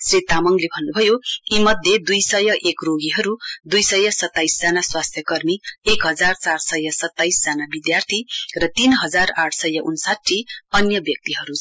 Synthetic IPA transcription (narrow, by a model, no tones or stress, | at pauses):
srit̪amʌŋlebʱʌnːubʱʌjoimʌd̪ʱjed̪ujsʌjʌʔekroɡiɦʌɾud̪ujsʌjʌsʌt̪ːajsd͡zanaswast̪ʰjʌkʌrmiekɦʌd͡zart͡sarsʌjʌsʌt̪ːajsd͡zanabid̪jart̪ʰirʌt̪inɦʌd͡zaraʈʰsʌjʌʔunsatʈʰːiʌnjʌbjʌk̚t̪iɦʌɾu